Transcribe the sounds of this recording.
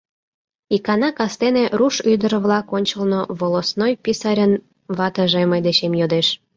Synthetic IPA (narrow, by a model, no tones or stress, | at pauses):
ikɑnɑkɑst̪eneʔɾuʃyd̪əɾβlɑkonʲt͡ɕəlnoβolosnojpʲisɑɾʲən | βɑt̪əʒeməjd̪eɕemjod̪eʃ